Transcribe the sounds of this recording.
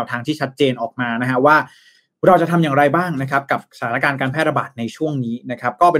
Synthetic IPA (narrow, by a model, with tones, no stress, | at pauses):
wt̪ʰaː˧ŋt̪ʰiː˥˩t͡ɕʰa˦˥t̪̚t͡ɕeː˧nʔɔː˨˩k̚maː˧na˦˥kʰa˦˥waː˥˩ | ɾa˧wt͡ɕa˨˩t̪ʰa˧mjaː˨˩ŋɾa˧jbaː˥˩ŋna˦˥kʰa˦˥p̚ka˨˩p̚sḁ˧t̪ʰaː˨˦na˦˥kaː˧nkaː˧npʰɛː˥˩ɾa˧baː˨˩t̪̚na˧jt͡ɕʰu˥˩əŋniː˦˥na˦˥kʰɾa˦˥p̚kɔː˥˩pe˧